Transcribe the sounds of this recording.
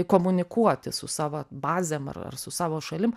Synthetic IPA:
koːmʊnʲɪkuɔt̪ʲɪsʊ̰sɑːʋɐbɑːzʲeːmɐ̰rɐ̰rsʊsɑːʋoːʃɐlʲɪm

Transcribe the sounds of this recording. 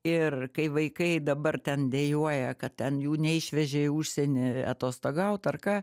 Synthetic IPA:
ɪrkɐɪʋɐɪkɐɪd̪ɐbɐrt̪ʲɛnd̪ʲejuɔjɛkɐt̪tʲɛnjuːnʲɛɪʃʲʋʲɛʒʲɛuːʃʲsʲɛnʲɪɐ̰t̪oːst̪oɡɐʊt̪ɐrkɑː

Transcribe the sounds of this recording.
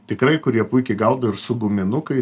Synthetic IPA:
t̪ʲɪkɾɐɪkʊɾʲiɛpʊɪkʲɛɪɡɐʊd̪ɐɪɾsʊɡʊmʲɪnʊkɐɪ

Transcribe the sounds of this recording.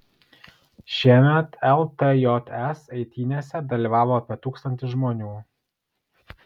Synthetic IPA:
ʃʲiɛmʲɛt̪ɛlˠt̪ejɔt̪ɛsɐɪt̪ʲiːnʲeːsʲɛd̪ɐlʲiːʋɑːʋoːɐpʲiɛt̪uːkst̪ɐnʲt̪ʲɪʒmoːnʲuː

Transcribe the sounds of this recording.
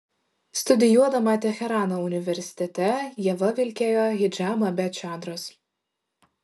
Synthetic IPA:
st̪ʊd̪ʲɪjuɔd̪ɐmɐt̪ʲɛxʲɛɾɑːnoʊnʲɪʋʲɛɾʲsʲɪ̥t̪ʲɛt̪ʲɛjiɛʋɐʋʲɪlʲkʲeːjoːɣɪd͡ʒʲɑːmɐbʲɛt͡ʃʲɑːnd̪ɾoːs

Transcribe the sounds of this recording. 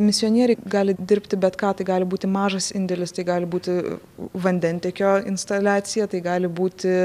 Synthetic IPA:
mʲɪsʲɪoːnʲiɛɾʲɛɪɡɑːlʲɪd̪ʲɪɾʲpʲt̪ʲɪbʲɛt̪kɑːt̪ɐɪɡɑːlʲɪbuːt̪ʲɪmɑːʒɐsɪnʲd̪ʲɛlʲɪst̪ɐɪɡɑːlʲɪbuːt̪ʲɪ | ʋɐnʲd̪ʲɛnʲt̪ʲɛkʲoːɪnst̪ɐlʲæːt̪sʲɪjɛt̪ɐɪɡɑːlʲɪbuːt̪ʲɪ

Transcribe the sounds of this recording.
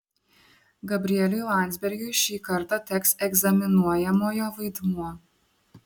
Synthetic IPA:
ɡɐbʲɾʲɪɛlʲʊjlˠɑˑnʲt̪zʲbʲɛɾʲɡʲʊɪʃʲiːkɐɾt̪ɑt̪ʲɛksɛɡzɐmʲɪnuɔjɛmoːjoːʋɐɪd̪muɔ

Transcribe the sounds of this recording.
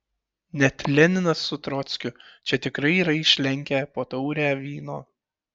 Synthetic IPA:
nʲɛt̪ʲlʲɛnʲɪnɐsːʊt̪ɾɔt̪sʲkʲʊt͡ʃʲɛt̪ʲɪkɾɐɪiːɾɐɪʃʲlʲɛŋʲkʲæpoːt̪ɒʊɾʲæːʋʲiːnoː

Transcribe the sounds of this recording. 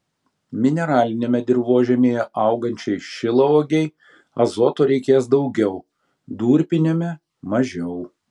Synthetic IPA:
mʲɪnʲɛɾɑːlʲɪnʲeːmʲɛd̪ʲɪɾʋoːʒʲɛmʲeːjɛʔɐˑʊɡɐnʲt͡ʃʲɛɪʃʲɪlˠɐoːɡʲɛɪ | ɐzoːt̪oːɾʲɛɪkʲeːsd̪ɒʊɡʲɛʊ | d̪uːɾʲpʲɪnʲoːmʲɛ | mɐʒʲɛʊ

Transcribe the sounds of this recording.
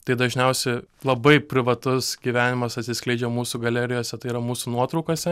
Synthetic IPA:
t̪ɐɪd̪ɐʒʲnʲɛʊsʲɛɪlˠɐbɐɪpʲɾʲɪʋɐt̪ʊsɡʲiːʋʲæːnʲɪmɐsɐt̪ʲsʲɪsʲklʲɛɪd͡ʒʲɛmuːsuɡɐlʲɛɾʲɪjoːsʲɛt̪ɐɪiɾɐmuːsunuɔt̪ɾɐʊkoːsʲɛ

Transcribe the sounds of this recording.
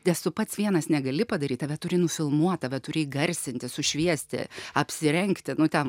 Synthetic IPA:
nʲɛstʊpɐt̪sʋʲiɛnɐsnʲɛɡɐlʲɪpɐd̪ɐɾʲiːt̪ɐʋʲɛt̪ʊɾʲɪnʊfʲɪlˠmuɔt̪ɑːʋʲɛt̪ʊɾʲɪɡɐɾʲsʲɪnʲt̪ʲɪsʊʃʲʋʲiɛsʲt̪ʲɪ̰ɐpʲsʲɪɾʲɛŋkt̪ʲɪnʊt̪ʲɛn

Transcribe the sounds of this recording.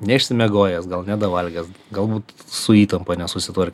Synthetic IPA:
nʲɛɪʃʲsʲɪmʲɛɡoːjɛsɡɐlˠnʲæd̪ɐʋɐlʲɡʲɛsɡɐlˠbuːt̪sʊiːt̪ɐmpɐnʲɛsʊsʲɪt̪ɐrʲkʲ

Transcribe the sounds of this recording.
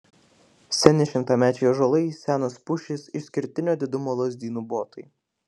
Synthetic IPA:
sʲɛnʲɪʃʲɪmt̪ɑːmʲæːt͡ʃʲɛjoːʒolˠɐɪsʲæːnospʊʃʲɪsɪʃsʲkʲɪɾʲt̪ʲɪnʲoːd̪ʲɪd̪ʊmoːlˠɔzʲd̪ʲiːnuboːt̪ɐɪ

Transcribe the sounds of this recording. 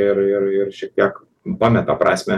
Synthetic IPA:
ɪɾɪɾɪɾʃʲiɛk̚t̪ʲiɛk | bɑːmʲɛt̪ɑpɾʔɑːsʲmʲɛ

